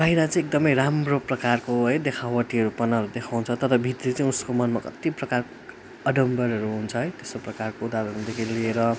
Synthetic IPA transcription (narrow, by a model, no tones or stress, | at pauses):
bʱʌiɾat͡saĩek̚d̪ʌmʌjɾamroprʌkarkoɦʌjd̪ekʰawwʌʈiʌɾupʌnaʌɾud̪ekʰawɦnt͡sʰʌt̪ʌɾʌbʱit̪rit͡saĩuskomʌnmakʌ̰t̪iprʌkarko | ʌɖʌmbʌɾʌɾuɦunt͡sʰʌɦʌjt̪esoprʌkarkoud̪aɾʌɾud̪ekʰiilieɾʌ